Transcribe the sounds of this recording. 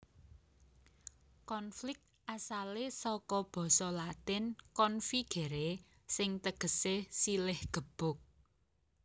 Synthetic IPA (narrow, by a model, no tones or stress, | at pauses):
kɔnflɪk̚t̪̚ʔasalesɔkɔb̥ɔ̤sɔlat̪ɪnkɔnfiɡ̥e̤ɾe | sɪŋt̪əɡ̥ə̤sesilɪhɡ̥ə̤b̥ʊ̤k̚